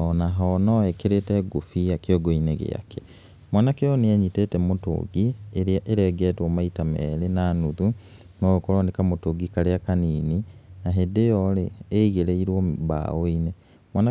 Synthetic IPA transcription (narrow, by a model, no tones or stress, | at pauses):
ɔnaɦɔnɔɛkeɾetɛɡofiakeɔɡoineɣḛa̰kʰɛ̥ | mwanakejɔneɛɲitetɛmoto̰ɡieʔeɾɛɡɛːtwɔmaitamɛɾenanuðu | nookoɾɔnekamotoɡikaɾeakaniːninaɦedejɔleːiɣeɾeiɾwɔba̰oine | mwana